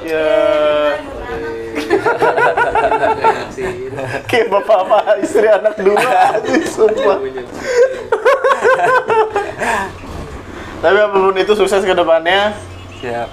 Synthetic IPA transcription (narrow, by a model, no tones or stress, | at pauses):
ja | kebapamaaist̪ɾianak̚duad͡ʒisupa | t̪apiapapʊnit̪usuksɛskədəpanɲa